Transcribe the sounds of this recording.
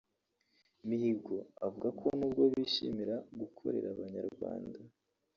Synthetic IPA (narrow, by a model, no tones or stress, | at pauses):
mihibɡo̞avuɡakʰo̞nuːb̚ɡo̞βiʃḭmiɾaɡukʰo̞̰ɾe̞̰ɾaβaɲaɾɡwa̰ːnda